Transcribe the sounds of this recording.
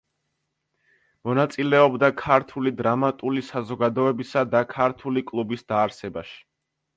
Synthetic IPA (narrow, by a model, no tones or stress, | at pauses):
mɔnat̪sʼilɛɔbd̪akʰaɾt̪ʰulid̪ɾamat̪ʼulisazɔɡad̪ɔɛbisad̪akʰaɾt̪ʰulikʼlˠubisd̪aːɾsɛbaʃi̥